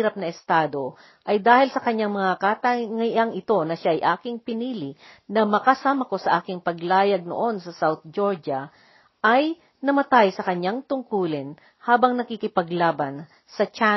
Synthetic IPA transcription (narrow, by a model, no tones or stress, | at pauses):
ɾɐp̚nɐɛst̪aːd̪o̞ | ʔɐjd̪aːhɪlsɐkɐɲːaŋmɐŋakat̪ɐŋaʔɐŋɪt̪o̞nɐʃaʔɐjʔaːkɪŋpɪniːlɪnɐmɐkɐsaːmɐko̞sɐʔaːkɪŋpɐɡlaːjɐɡ̚no̰ʔo̞nsɐsawt̪̚d͡ʒoɹd͡ʒɐ | ʔɐj | nɐmɐt̪ajsɐkɐɲːaŋt̪ʊŋkuːlɪn | haːbɐŋnɐkikɪpɐɡlaːbɐn | sɐt͡ʃa